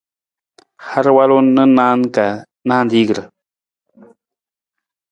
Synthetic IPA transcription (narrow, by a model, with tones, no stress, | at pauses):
ha˦ɾwa˦lo˦nːə˦na˦ŋka˨ | na˦nd̪i˦ɡɾə˨